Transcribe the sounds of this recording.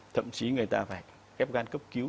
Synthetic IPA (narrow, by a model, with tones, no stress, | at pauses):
t̪ʰə̰˧˨mt͡ɕi˨˦ŋɨ˨˩əjt̪aː˧va̰ː˧˩j | xɛ˦˥p̚ɣaː˧nkə˦˥p̚ki˨˦